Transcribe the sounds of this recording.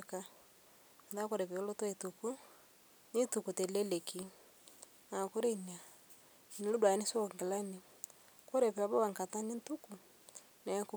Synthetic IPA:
ka˦ | m˨da˦kɔ˦ɾɛ˨pɛ˨o˦lo˦twi˨tu˨ku˦ | ni˦tu˨ku˨tɛ˨lɛ˦le˨ki˨ | na˨ku˦ɾe˦i˨na˨ | i˨ni˨lu˦dwa˨˦ni˦sɔ˦˨ŋɡɛ˨la˦ni˨ | kɔ˦ɾɛ˨pɛ˨a˨βɔ˦wa˨ŋka˨ta˦ni˦n˦tu˦ku˨ | nɛ˨˦ku˦

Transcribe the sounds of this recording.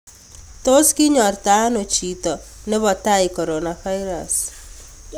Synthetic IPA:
to˦ski˦ɲɔ˨rta˦no˨t͡ʃi˨tɔne˦βɔ˨ta˦i˨kɔ˨ɾɔnafa˦iɾa̰s

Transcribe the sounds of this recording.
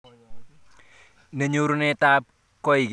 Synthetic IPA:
ne˨ɲu˦ɾu˦ne˦ta˦p̚ | kɔ˦i˨ɡ

